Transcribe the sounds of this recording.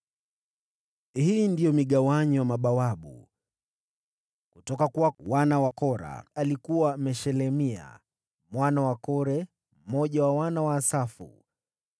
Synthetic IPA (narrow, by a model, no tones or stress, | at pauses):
hindijɔmiɠawaɲɔwamaɓawaɓṵ | kutɔkakuwawanawakɔɾa̰alikuwaamɛʃɛlɛmia̰ | mwanawakɔɾɛ | m̩mɔʄawawanawaːsafṵ